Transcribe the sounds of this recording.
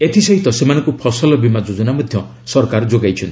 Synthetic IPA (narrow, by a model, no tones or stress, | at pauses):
et̪ʰisɔɦit̪ɔsemanɔ̃ŋkupʰɔsɔlɔbimad͡ʒod͡ʒɔnamɔd̪ʱjɔ | sɔɾkaɾɔd͡ʒoɡajt͡ʃʰɔnt̪i